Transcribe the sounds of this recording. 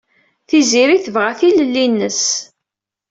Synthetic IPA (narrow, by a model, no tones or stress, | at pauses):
θiziɾiθəvʁæθiləlːinːəs